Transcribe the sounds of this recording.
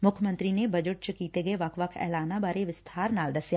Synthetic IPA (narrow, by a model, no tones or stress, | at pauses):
mʊkʰjmə̃nt̪ɾinebɐd͡ʒəʈ̚t͡ʃəkiːt̪eɡɐeʋakʰʋakʰɛ̰ːlaːnabaːɾeʋɪst̪ʰaːɾnaːld̪ɐsja